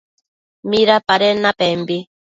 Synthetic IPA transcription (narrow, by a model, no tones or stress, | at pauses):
miɾapaɾenapembi